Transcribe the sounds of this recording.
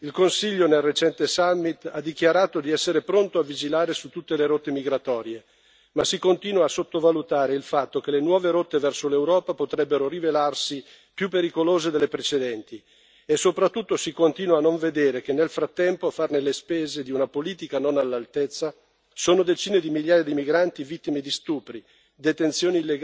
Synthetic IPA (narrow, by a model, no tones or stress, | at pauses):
ilkonsiʎːonelret͡ʃɛnt̪esamːit̪ad̪ːikjaɾaːt̪od̪iɛsːeɾepɾont̪oavid͡ʒilaːɾesut̪ːut̪ːeleɾot̪ːemiɡɾat̪ɔːɾje | masikont̪iːnwaːsot̪ːovalut̪aːɾeilfat̪ːok̟elenwɔːveɾot̪ːevɛrsolewɾɔːpapot̪ɾɛbːeɾorivelarsi | pjupːeɾikoloːzed̪elːepɾet͡ʃed̪ɛnt̪i | esːopɾat̪ːut̪ːosikont̪iːnwaːnːoɱved̪eːɾekenːelfɾat̪ːɛmpoafarnelespeːzed̪iunapoliːt̪ikanonalːalt̪ɛt̪sːa | soːnod̪et͡ʃiːned̪imiʎjaːjad̪imiɡɾant̪ivit̪ːimed̪ist̪uːpɾi | d̪et̪ent̪sjoːnilːeɡ